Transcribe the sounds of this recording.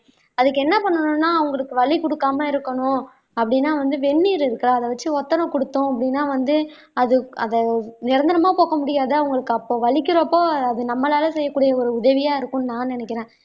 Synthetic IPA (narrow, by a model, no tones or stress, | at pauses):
ɐðɯkːɛnːɐpɐɳːɐnʊ̃nːaːɐʋɐŋɡɐɭɯkːɯʋɐɭikɔɽɯkːaːmɐɪɾɯkːɐnʊ̃ | ɐpːɐɽɪnːaːʋɐnd̪ɯʋɛɳːiːɾɪɾɯkːɐɾaːɐðɐʋɐt͡ʃːɯɔt̪ːɐɾɐ̃kɔɽɯt̪ːʊ̃ɐpːɐɽɪnːaːʋɐnd̪ɯ | ɐðɯɐðɛnɪɾɐnd̪ɐnɐmaːpoːkɐmʊɽɪjaːðɯɐʋɐŋɡɐɭɯkːɯɐpːoːʋɐɭɪkːɪɾɐpːoːɐðɯnɐmːɐlaːlɐsɛjːɐkːuːɽɪjɐɔɾɯʊðɐʋɪjaːɪɾɯkːʊ̃naːnɛnɛkːɪɾẽː